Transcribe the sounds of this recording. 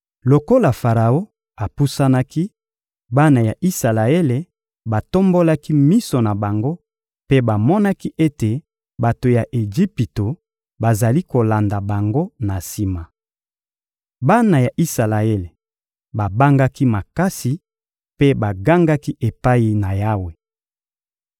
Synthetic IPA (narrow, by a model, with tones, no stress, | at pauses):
lo˨ko˦la˨fa˨ʁa˨o˦ | a˨pu˦sa˦na˦ki˦ | ba˦na˨ja˨ʔi˦sa˨la˨e˦le˨ | ba˨to˦mbo˦la˦ki˦mi˦so˨na˨ba˨ŋɡo˦ | pe˦ba˨mɔ˦na˦ki˦ʔe˦te˨ | ba˨to˨ja˨ʔe˨ʒi˦pi˨to˨ | ba˨za˨li˦ko˨la˨nda˨ba˨ŋɡo˦na˨si˨ma˨ | ba˦na˨ja˨ʔi˦sa˨la˨e˦le˨ | ba˨ba˦ŋɡa˦ki˦ma˨ka˦si˨ | pe˦ba˨ɡa˦ŋɡa˦ki˦ʔe˨pa˦i˨na˨ja˦we˨